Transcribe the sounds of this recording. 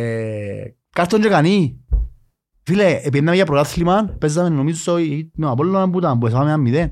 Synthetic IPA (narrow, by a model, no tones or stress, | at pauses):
kaɾt̪ːond͡ʒekani | fileːp̬ienːamejapɾok̪aθlimanpezːamenːomiusoimeapolːonambut̪ambues̬aameamːiðen